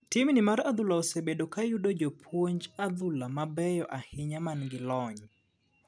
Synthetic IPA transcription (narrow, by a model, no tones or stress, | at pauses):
tɪmnɪmaɾad̪ʊlaosebedokajudod͡ʒopʰwoɲd͡ʒad̪ʊlamabɛjɔʔahɪɲamanɡɪlɔɲ